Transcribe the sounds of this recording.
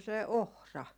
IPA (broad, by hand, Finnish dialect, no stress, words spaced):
se ohrɑ